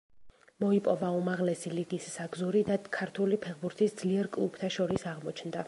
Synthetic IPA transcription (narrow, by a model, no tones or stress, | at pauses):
mɔipʼɔbaumaʁlɛsiliɡisːaɡzuɾid̪at̪kʰaɾt̪ʰulipʰɛχbuɾt̪ʰisd̪zliɛɾkʼlˠup̚ʰt̪ʰaʃɔɾisaʁmɔt͡ʃʰnd̪a